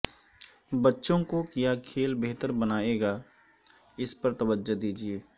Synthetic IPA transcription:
bətːʃõkokijakʰeːlbeɦt̪əɾbənaːeːɡaː | ɪspəɾt̪ɐwəd͡ʒod̪iːd͡ʒieː

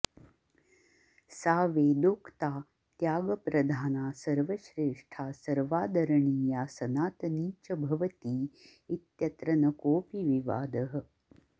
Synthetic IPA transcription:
saːʋeːd̪oːkt̪aː | t̪jaːɡɐpɾɐd̪ʱaːnaːsɐɾʋɐʃɾeːʂʈʰaːsɐɾʋaːd̪ɐɾɐɳiːjaːsɐnaːt̪niːt͡ʃɐbʱɐʋɐt̪iː | it̪jɐt̪ɾɐnɐkoːpiʋiʋa̰ːd̪ɐɦɐ̆

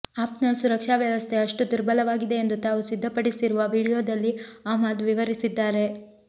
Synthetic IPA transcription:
aːpnɐlsuɾɐkʂaːʋjɐʋɐst̪ʰe̞ɐʂʈud̪uɾbɐlɐʋaːɡid̪e̞end̪ut̪aːʋusid̪ʱːɐpɐɽisiɾuʋɐʋiːɽijoːd̪ɐlːiaːmaːd̪ʋiʋɐɾisid̪ːaːɾe̞

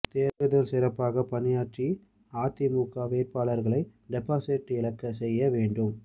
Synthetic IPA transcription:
t̪eːɾʋɯðɐlsɪɾɐpːaːɣɐpɐnɪjaːʈri | aːt̪ɪmuːkːaːʋeːɾpaːɭɐɾɣɐɭɐɪɖɛpːaːsɪʈːɪɭɐkːɐsɛjːɐʋeːɳɖɯm

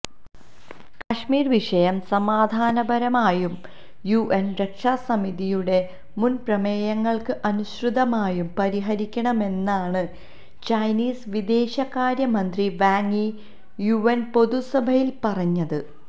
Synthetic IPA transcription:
kɐʂmiːrʋiʂɐjɐmsɐmaːd̪ʱaːnɐbɐɾɐmaːjum | juʔenrekʂaːsɐmiðijuɽe̞ | munprɐmeːjɐŋːɐɭkɨʔɐnuɕrɨd̪ɐmaːjumpɐɾiɦɐɾikʲːɐɳɐme̞nːaːɳɨ | t͡ɕɐjniːsʋid̪e̞ːɕɐkaːɾjɐmɐnd̪riʋaːŋːi | juenpo̞ðusɐbʱɐjilpɐrɐɲːɐðɨ

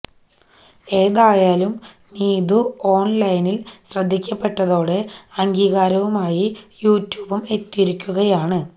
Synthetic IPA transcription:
e̞ːðaːjaːlum | niːðuo̞ːɳlɐjnilɕrɐd̪ʱːikʲːɐpːe̞ʈːɐðo̞ːɽe̞ɐŋɡiːɣaːɾɐʋumaːjijuːtːjuːbume̞t̪ːiɾikʲːuɣɐjaːɳɨ

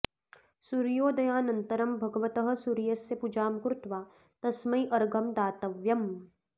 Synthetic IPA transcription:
suɾjoːd̪ɐjaːnɐnt̪ɐɾɐmbʱɐɡɐʋɐt̪ɐɦɐ̆suɾijɐsːepud͡ʒaːmkɾʊt̪ʋaː | t̪ɐsmɐjʔɐɾɡɐmd̪aːt̪ɐʋjɐm

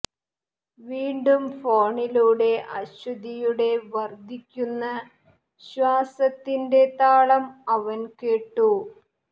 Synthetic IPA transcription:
ʋiːɳɖumfoːɳiluːɽe̞ʔɐɕud̪ijuɽe̞ʋɐrd̪ʱikʲːunːɐ | ɕʋaːsɐt̪ːinde̞t̪aːɭɐmɐʋɐnkeːʈːu

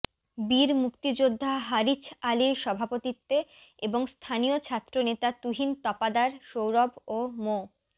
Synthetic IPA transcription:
biɾmukt̪id͡ʑod̪ʱːaɦaɾit͡ɕaliɾʃɔbʱapot̪it̪ːe | eboŋst̪ʰaniot͡ɕʰat̪ːɾonet̪at̪uɦint̪ɔpad̪aɾʃowɾɔbomo

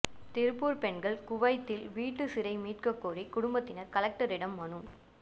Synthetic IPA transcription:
t̪ɪɾɯpːuːɾpɛɳɡɐɭkʊʋɐɪt̪ːɪlʋiːʈːɯsɪɾɐɪmiːʈkɐkːoːrikʊɽʊmbɐt̪ːɪnɐɾkɐlɐk̚ʈɐɾɪɽɐmːɐnɯm

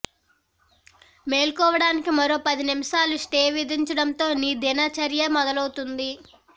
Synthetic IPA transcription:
me̞ːlkɔːʋɐɽaːnikimɐɾo̞ːpɐd̪inimɐʃaːluʂʈeːʋid̪iɲt͡ʃɐɽɐnt̪o̞ːniːd̪inɐt͡ʃɐɾjɐmɔd̪ɐlɐwut̪und̪i

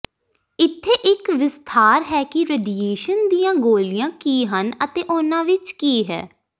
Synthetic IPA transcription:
ɪt̪ʰːeːʔɪkʋɪst̪ʰaːɾɦɛːkɪɾeːɖieːʃənd̪ijãːɡoːlijãːkiːɦənət̪eːʔʊnãːʋɪt͡ʃkiːɦɛ̰ː

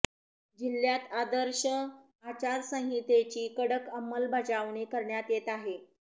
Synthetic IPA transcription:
d͡ʑilːjat̪ad̪əɾɕə | at͡ɕaɾsə̃ɦɦit̪et͡ɕiːkəɽəkəmːəlbʱad͡zaʋɳekəɾɳjat̪jet̪aɦe

